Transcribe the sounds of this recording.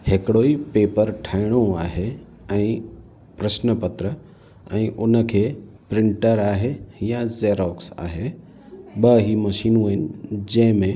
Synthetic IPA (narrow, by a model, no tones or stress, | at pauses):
hekɽoːipeːpəɾʈʰaːɪɽ̃oaːɦe | ɛ̃ĩ | pɾəʃnəpət̪ɾə | ɛ̃ːʔʊnəkʰeː | pɾɪ̃ɳʈəɾaːɦejãzeːɾɔːksa̰ːɦe | bəɦimɐʃiːnũɦɪnɪd͡ʑɐ̃ɦmẽ